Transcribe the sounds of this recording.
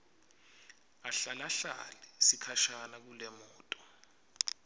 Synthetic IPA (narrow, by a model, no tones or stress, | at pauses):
aɬalaɬa̰lisikʰaʃanak̬ulɛmɔːtʼɔ̥